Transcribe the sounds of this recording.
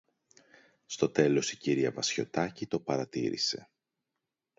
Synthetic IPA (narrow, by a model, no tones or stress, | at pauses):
st̪o̞t̪e̞lo̞siciɾiɐvɐsço̞t̪ɐcit̪o̞pɐɾɐt̪iɾḭse̞̰